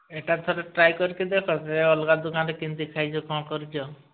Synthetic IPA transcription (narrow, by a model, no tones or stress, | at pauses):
eʈat̪ʰɔɾeʈɾajkɔɾikid̪ekʰɔseɔlɡad̪ukanɾekint̪ikʰajt͡ʃʰɔkɔkɔɾit͡ʃʰɔ